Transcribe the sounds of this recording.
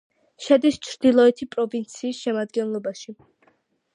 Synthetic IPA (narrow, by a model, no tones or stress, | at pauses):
ʃɛd̪ist͡ʃʰɾd̪ilˠɔɛt̪ʰipʼɾɔvint̪sʰiːsʃɛmad̪ɡɛnlˠɔbaʃi